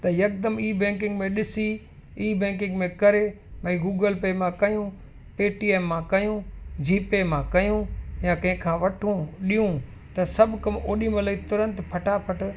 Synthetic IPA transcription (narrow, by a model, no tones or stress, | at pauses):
t̪ɐjɐk̚d̪əmiːbɛ̃ːŋk̬ɪ̃ŋɡmẽɗɪsi | iːbɛ̃ːk̬ɪ̃ŋɡmẽkɐɾe | mɐ̃ɡuːɡəlpeːmãkɐjũ | peːʈiːeːmːãkɐjũd͡ʑiːpemãkɐjũjãkɐ̃ɦɪ̃kʰãːʋɐʈʰũɗiːũ | t̪ɐsɐbʱʊkɐmoːɗĩmɐləit̪ʊɾə̃nt̪pʰɐʈapʰɐʈ